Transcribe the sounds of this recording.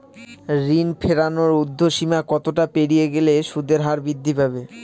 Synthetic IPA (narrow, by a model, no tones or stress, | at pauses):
ɾinpʰeɾanoɾud̪ʱːoʃimakɔt̪oʈapeɽijeɡeleʃud̪ʱeɾɦaɾbid̪ʱːipabe